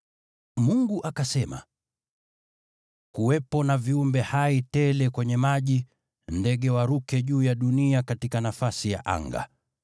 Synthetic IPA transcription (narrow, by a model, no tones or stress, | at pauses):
muŋɡuʔakasɛma̰ | kuwɛpɔnaviumbɛhaitɛlɛkwɛɲɛmaʄi | ndɛɠɛwaɾukɛʄuːjaɗuniakatikanafasija̰ʔa̰ŋɡa̰